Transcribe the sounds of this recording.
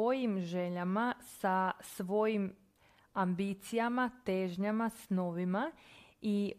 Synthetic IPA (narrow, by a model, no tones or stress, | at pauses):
o̞jimʒe̞ʎamasasʋo̞jim | ambit̪sijamat̪eːʒɲamasnoʋimai